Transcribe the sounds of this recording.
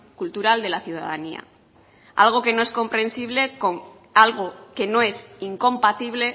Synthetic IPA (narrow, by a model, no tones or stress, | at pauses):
kult̪uɾald̪e̞laθjuð̞a̰ðania̰ | a̰lɣ̞o̞ke̞no̞e̞sko̞mpɾẽ̞nsiβ̞le̞koŋ | alɣ̞oke̞no̞e̞siŋkõ̞mpat̪iβle̞